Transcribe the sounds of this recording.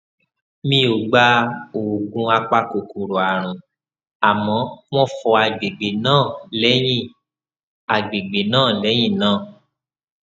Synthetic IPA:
mĩ˦o˨ɡ͡ba˧˦o˨ɡũ˧a˧k͡pa˧ko˨ku˨ɾo˨a˨ɾ̃ũ˨ | a˨mɔ̃˨˦w̃ɔ̃˦fɔ˧a˨ɡ͡be˨ɡ͡be˨nãː˦˨lɛ˦j̃ĩ˦˨ | a˨ɡ͡be˨ɡ͡be˨nãː˦˨lɛ˨˦j̃ĩ˦˨nãː˦˨

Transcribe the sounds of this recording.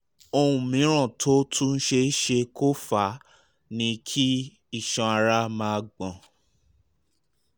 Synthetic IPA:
o˧hũ˨mĩ˨˦ɾ̃ɔ̃˦˨tʰo˦tʰũ˦˧n̩˦ʃe˧˦ʃe˧kʰo˦fa˨˦ | nĩ˧kʰi˦ | i˦˨ʃã˧a˧ɾa˦mãː˧ɡ͡bɔ̃˨

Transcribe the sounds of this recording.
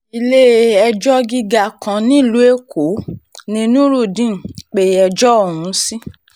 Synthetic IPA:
i˧le˦ɛ˧d͡ʒɔ˦ɡi˦ɡa˧kã˧nĩ˦˨lu˦e˦kʰo˨˦nĩ˧nũ˦ɾu˦˨dĩ˦˨k͡pe˧˦ɛ˧d͡ʒɔ˦o˦˨w̃ũ˧˦si˦

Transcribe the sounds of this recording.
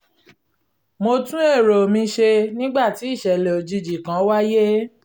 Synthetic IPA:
mo˧tũ˦e˦˨ɾo˨mĩ˧ʃe˧nĩ˦ɡ͡ba˦˨ti˨˦i˦˨ʃɛ˨le˨o˨d͡ʒi˧d͡ʒi˨kã˨˦wa˦je˦

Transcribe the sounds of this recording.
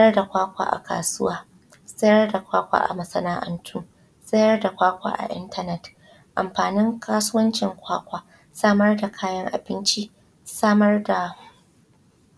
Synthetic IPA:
sɐ˦jɐ˦rda˨kʷaː˦kʷa̰ː˦˨ʔa̰˨ka̰ː˨sʊ˦waː˦ | sʼɐ˦jɐ˦rda˨kʷaː˦kʷa̰ː˦˨ʔa̰˨mɐ˨˦sɐ˦naː˦ʔɐ̰˦ntʰʊː˦ | sʼɐ˦jɐ˦rda˨kʷaː˦kʷa̰ː˦˨ʔa̰˨ʔɪ̰˦ntɐ˦nɛ˦t | ʔa̰˨mɸaː˨nɪ˦ŋkʰaː˦sʊ˦wɐ˦nt͡ʃɪ˨ŋkʷaː˦kʷaː˨ | saː˦mɐ˦rda˨kʰaː˦jɐ˦ŋʔa̰˨bɪ˦nt͡ʃi˦ | saː˦mɐ˦rda˨

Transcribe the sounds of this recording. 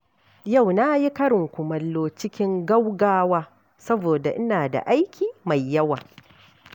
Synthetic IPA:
ja˦˨wna˦ji˦kɐ˦ɽɪ˨ŋkʷʊ˨mɐ˨lːoː˦t͡ʃɪ˦kʲɪ˦ŋɡɐ˦wɡaː˦waː˦ | sɐ˦boː˨da˨ʔɪ˦naː˨da̰˨ʔa˦jkʲʰiː˨ma˨jːɐ˦waː˨

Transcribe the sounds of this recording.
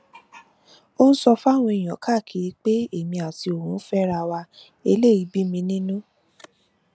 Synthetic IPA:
o˦n̩˦sɔ˧fa˦˨w̃ɔ̃˧i˨j̃ɔ̃˨kʰa˦˨kʰi˨i˧k͡pe˦e˦˨mĩ˧a˨ti˧o˨ɾũ˨˦n̩˦fɛ˦ɾa˧wa˧ | e˧le˦˨i˨˧bi˦mĩ˧nĩ˦nũ˦

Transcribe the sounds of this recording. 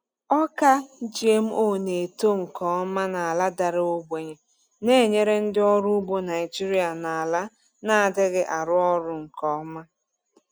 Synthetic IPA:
ɔ˦ka˦d͡ʒi˨e˦m̩˦ʔo˦˨ne˨to˦ŋ̩˨kɔ˨˦ma˦na˨a˨la˦da˨ɾɪ˦o˦bʷe˨ɲe˨ | ne˦˨ɲe˦ɾe˦n̩˦dɪ˦ɔ˦ɾu˦u˦bo˦na˨ɪ˨d͡ʒi˦ɾi˦a˨na˨a˨la˦ | na˦a˨dɪ˦ɡɪ˦ʔa˨ɾʊ˦ɔ˦ɾʊ˨ŋ̩˨kɔ˨˦ma˦

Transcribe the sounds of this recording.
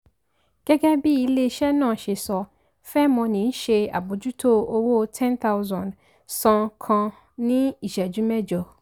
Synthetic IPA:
ɡ̥ɛ˦ɡɛ˦bi˦ji˨le˦ʃɛ˦nɔ̃˨ʃe˨sɔ˨ | fɛ˦mɔ̃˨nĩ˨n̩˦ʃe˨a̰˨bo˨d͡ʑu˦tʰo˦o˦wo˦tʰɛ̃˦nt̪ʰa˦wzɔ̃˨n | sɔ̃˨kʰɔ̃˨ | nĩ˦i˨ʃɛ˨d͡ʒu˦mɛ̃˦d͡ʒɔ˨

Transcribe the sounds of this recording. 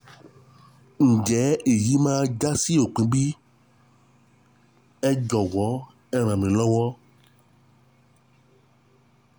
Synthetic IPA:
ŋ̩˨d͡ʒɛ˨˦e˨ji˨˦mã˦d͡ʒa˦si˦o˨k͡pĩ˨˦ɡ͡bi˦ | ɛ˦d͡ʒɔ˨wɔ˨˦ | ɛ˦ɾ̃ã˨mẽ˨lɔ˦wɔ˦

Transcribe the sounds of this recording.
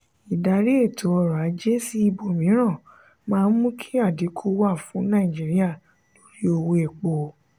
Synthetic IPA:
i˨da˨ɾi˦e˦˨tʰo˨˦ɔ˧˨ɾa˨˦d͡ʒe˦si˦i˦˧bo˨mĩ˨˦ɾ̃ã˦˨ | mãː˦˧˦n̩˦mũ˦kʰi̥˦a˦˨di˨˦kʰu˦wa˦˨fũ˨˦nã˦˨d͡ʒi˨˦ɾi˦a˦˨ | to˨˦ɾi˦o˧wo˧ɛ˨k͡po˨

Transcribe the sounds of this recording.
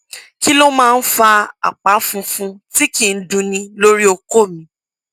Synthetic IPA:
ki˦lo˦mãː˦˧n̩˦fa˧a̰˨k͡pa˨˦fũ˧fũ˧ti˦kĩ˨n̩˦dũ˧nĩ˧lo˦ɾi˦o˧ko˦˨mĩ˧˦

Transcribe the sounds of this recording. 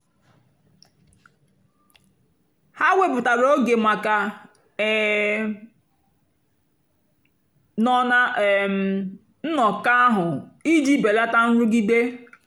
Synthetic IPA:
ha˦wʷe˦pʊ˨ta˨ɾo˦ɡe˨ma˨ka˨˦ | nɔ˦na˦˨m | n̩˦nɔ˨ka˦ɦʊ˨i˦d͡ʒi˦be˨la˦ta˦n̩˦ɾu˦ɡi˦de˦

